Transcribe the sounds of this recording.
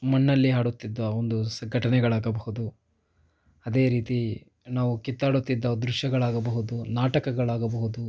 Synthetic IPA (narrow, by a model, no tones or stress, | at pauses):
mɐnːɐlːiɦaːɽut̪ːid̪ːɐond̪usɐŋɡʱɐʈɐnɛɡɐɭaːɡɐbɐhud̪u | ɐd̪e̞ːɾiːt̪i | naːʋukit̪ːaːɽut̪ːid̪ːɐd̪ɾuʃjɐɡɐɭaːɡɐbɐɦud̪unaːʈɐkɐɡɐɭaːɡɐbɐɦud̪u